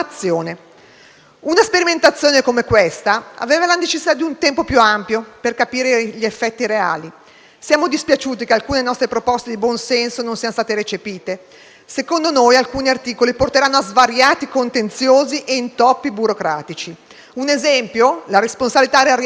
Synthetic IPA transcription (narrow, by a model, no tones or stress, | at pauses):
t̪sːjoːne | unaspeɾiment̪at̪sːjoːnekomekwest̪aa̰veːvalanet͡ʃesːit̪ad̪iunt̪ɛmpopjuampjoperkapiːɾeʎiefːɛt̪ːiɾea̰ːli | sjaːmod̪ispjat͡ʃuːt̪ikealkuːnenɔst̪ɾepɾopɔst̪ed̪ibwɔnsɛnsonõnsiːanost̪aːt̪eɾet͡ʃepiːt̪e | sekond̪onojalkuːniart̪iːkoliport̪eɾanːoazvaɾjaːt̪ikont̪ent̪sjoːziʔeint̪ɔpːibuɾokɾa̰ːt̪it͡ʃi | unezɛmpjolaɾesponsabilit̪aɾear